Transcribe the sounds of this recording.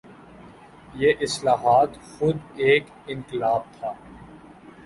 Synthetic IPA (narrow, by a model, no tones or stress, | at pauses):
jeːʔɪslaːɦaːt̪xʊd̪eːk | ɪ̃ŋqɪlaːb̚t̪ʰaː